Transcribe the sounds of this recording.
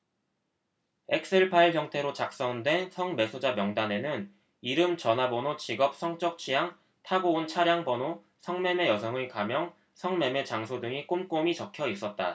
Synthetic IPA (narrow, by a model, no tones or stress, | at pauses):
ek̚s͈eɭpʰaiɭçjʌŋtʰe̞ɾot͡ɕak̚s͈ʌndwe̞nsʰʌŋme̞sʰod͡ʑamjʌŋdane̞nɯn | iɾɯmt͡ɕʌnɦabonot͡ɕiɡʌp̚s͈ʰʌŋt͡ɕ͈ʌk̚t͡ɕʰijaŋ | tʰaɡount͡ɕʰaɾjaŋbʌno | sʰʌŋme̞me̞jʌsʰʌŋɯɭkamjʌŋ | sʰʌŋme̞me̞t͡ɕaŋsʰodɯŋik͈omk͈omit͡ɕʌkʰjʌis͈ʌt̚t͈a̰